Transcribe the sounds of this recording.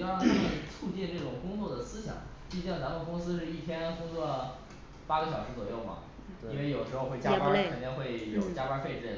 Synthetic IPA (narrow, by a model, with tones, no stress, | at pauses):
we˥˧ɪt͡sʰu˥˧t͡ɕi˥˧nʈ͡ʂɤ˥˩ʈ͡ʂʊ˨˩ŋkʊ˥ŋt͡swɔ˥˩d̪ə˩sɹ̩˥ɕjɑ̰˨˩˦ŋ | t͡ɕi˥˧˩t͡ɕjɑ˥˩ŋt͡sa˧˥mə˨kʊ˥ŋsɹ̩˥ʂɻ̩˥˧i˥˩t̪ʰjɛ˥nkʊ˥ŋt͡swɔ˥˩ | pa˥ɡə˧ɕjɑ˨˩ʊʂɻ̩˧˥t͡swɔ˨˩jo˥˩ʊmɐ̰˩ | i˥nwe˥˩ɪjo˨˩ʊʂɻ̩˧˥xo˧xwe˥˩ɪt͡ɕja˥ka˥˩kʰə˨˩nt̪i˥˧ŋxwe˥˩ɪjo˨˩ʊt͡ɕja˥kwa˥nfe˥˧ɪʈ͡ʂɻ̩˥˩